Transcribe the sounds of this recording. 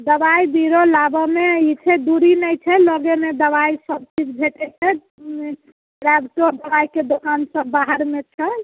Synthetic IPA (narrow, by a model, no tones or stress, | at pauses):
d̪əbaibiɾolabɔmeit͡ʃʰɛd̪uɾinəjt͡ʃʰɛləɡemed̪əβaisəb̚t͡ʃʰit͡ʃʰbʱeʈet͡ʃʰɛ | ɾabʈod̪əbaiked̪okansəːaɦəɾmet͡ʃʰɛ